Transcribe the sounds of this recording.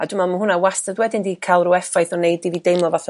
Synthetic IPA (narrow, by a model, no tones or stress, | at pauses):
adʊmamanhʊnawastədwɛdɪndikʰalˠrʊɛfajθɔnejdividejmlˠɔvaθ